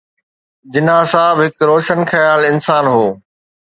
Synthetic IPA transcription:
d͡ʑɪnãːsãːbɦɪkɾoːʃənxɐjaːlɪnsaːnɦoː

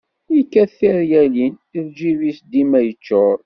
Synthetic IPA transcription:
jkːæθiɾjælin | iðd͡ʒivisd̪imæjət͡ʃːʊɾˤ

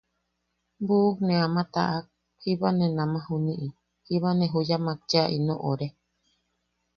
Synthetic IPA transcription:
buknẽamãt̪a̰ʔak̚ | hiβanẽnãmãɦunĩʔi | hiβanẽɦujamãk̚t͡ʃaʔinõʔoɾe

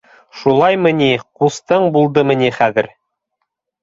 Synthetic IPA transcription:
ʃulˠɑjmɘ̆nʲiqust̪ɤɴbulˠd̪ɤmɘ̆nʲiχæðɘ̰ɾ

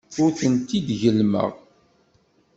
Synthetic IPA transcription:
ʊɾθənt̪id̪ʝəlmə̰ʁ

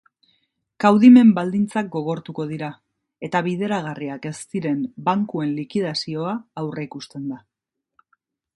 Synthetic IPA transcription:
kawðime̞mbald̪int͡sak̚ɡo̞ɣo̞ɾt̪uko̞ðiɾa | e̞t̪aβiðe̞ɾaɣ̞ariake̞st̪iɾe̞mbaŋkue̞nlikiðasio̞aːwre̞ikust̪e̞nd̪a

